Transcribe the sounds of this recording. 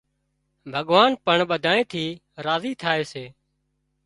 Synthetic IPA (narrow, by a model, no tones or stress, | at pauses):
bʱəɠʋaːnpəɳɓəd̪ʱaːẽːt̪ʰiː | ɾaːziːt̪ʰaːeːseː